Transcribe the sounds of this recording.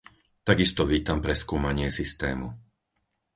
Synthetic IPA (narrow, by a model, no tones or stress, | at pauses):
t̪aɡist̪ɔʋiːt̪ampɾɛskuːmaɲɪɛsist̪ɛ̰ːmṵ